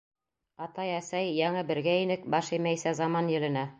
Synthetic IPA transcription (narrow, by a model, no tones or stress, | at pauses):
ɑt̪ɑjæsæjːɑɴɤbɘ̆ɾɡæinɘk̚bɑʃɘjmæjsæzɑmɑnjɘ̆lɘ̆næ